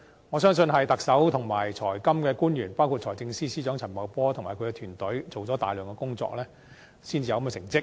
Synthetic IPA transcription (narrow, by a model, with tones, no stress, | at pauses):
ŋɔː˨˧sœː˥ŋsɵ˧nɦɐ˨jt̪ɐ˨k̚sɐ˨˥wt̪ʰʊ˨˩ŋmaː˨˩jt͡sʰɔː˨˩jkɐ˥mkɛː˧kuː˥njyː˨˩npaː˥wkʰu˧t̚t͡ʃʰɔː˨˩t͡sɪ˧ŋsiː˥siː˥t͡ʃœː˨˥ŋt͡sʰɐ˨˩nmɐ˨˩wpɔː˥t̪ʰʊ˨˩ŋmaː˨˩kʰɵ˨˧ɥkɛ˧t̪ʰyː˨˩nt̪ɵ˨˥ɥt͡so˨wt͡sɔ˨˥t̪a̰ː˨jlœː˨˩ŋkɛː˧kʊ˥ŋt͡sɔ̰ː˧k̚lɛː˥ | siː˥nt͡siː˨jɐ˧wkɐ˦mɛ˧sɪ˨˩ŋt͡sɪ˥k̚